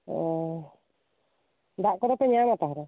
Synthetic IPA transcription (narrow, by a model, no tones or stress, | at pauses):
ɔ̰ɔ | d̪aʔkɔɾɔpɛɲamat̪aɦaɾɔ